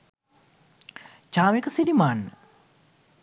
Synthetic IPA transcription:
t͡ʃaːmikəsidimaːnə

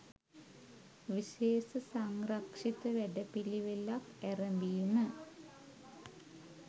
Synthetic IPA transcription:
ʋiʃeːsɐsɐŋrɐkʂit̪ɐʋeɖɐpiliʋelːakɛrɐmbijunə

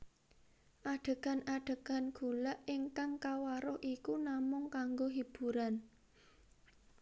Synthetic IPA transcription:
ʔaɖ̥ə̤ɡ̥a̤naɖ̥ə̤ɡ̥a̤nɡ̥ṳlaʔɪŋkaŋkawaɾʊhʔikunamʊŋkaŋɡoɦib̥ṳɾan

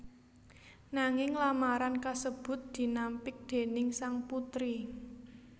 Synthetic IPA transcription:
naŋɪŋlamaɾankasəb̥ʊ̤t̪̚d̪̥i̤nampɪk̚d̪̥e̤nɪŋsaŋput̪ɾi

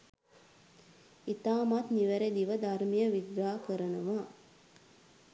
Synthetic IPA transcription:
it̪aːmat̪niʋæɾed̪iʋəd̪aɾmijəʋiɡɾaːkəɾənɐʋaː

